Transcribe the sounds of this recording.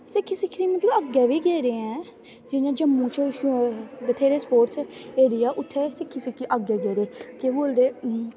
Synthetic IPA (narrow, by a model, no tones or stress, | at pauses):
sɪkʰːiːsɪkʰːɾiːmət̪ləbəɡɛːʋiːɡeːɾeːɛ̃ː | d͡ʒɪnãːd͡ʒəmːũːt͡ʃəhbət̪ʰeːɾeːspoːɾʈseːɾɪjaːʔʊt̪ʰːeːsɪkʰːiːsɪkʰːiʔəɡɛːɡeːɾeːkeboːld̪eː